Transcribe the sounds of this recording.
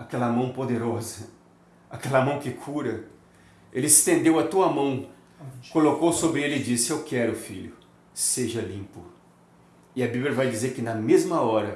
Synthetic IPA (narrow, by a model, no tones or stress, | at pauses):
akɛlɐmɐ̃w̃pod̪eɾɔzɐ | akɛlɐmɐ̃w̃kɪkʰuɾɐ | elɪɪst̪ẽnd̪ewɐt̪uɐmɐ̃w̃ | kolokowsobɾɪelɪɪd͡ʒisɪewkɛɾʊfiʎʊ | seʒɐlĩpʊ | ɪɐbibljɐvajd͡ʒizeɾkɪnɐmezmɐɔɾɐ